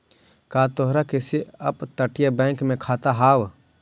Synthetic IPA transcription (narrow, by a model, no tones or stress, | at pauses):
kaːt̪oɦɾakesiɐpt̪əʈɪjabɛ̃ːŋkmẽkʰaːt̪aɦaːw